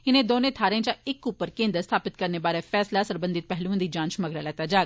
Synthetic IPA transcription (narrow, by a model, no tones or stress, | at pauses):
ɪnẽːd̪oːnẽːt̪ʰaːɾẽːt͡ʃãːɪkːupːəɾkẽːnd̪əɾst̪ʰaːpɪt̪kəɾneːbaːɾeːfʰɛːslaːsəɾbə̃nd̪ɪt̪̚pɛɦlũːd̪iːd͡ʒãːnt͡ʃməɡɾaːlɛːt̪aːd͡ʒaːɡ